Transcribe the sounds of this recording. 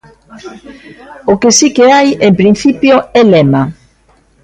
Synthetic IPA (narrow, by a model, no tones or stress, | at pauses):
ʊkɪsikeajempɾin̟θipjoɛlɛma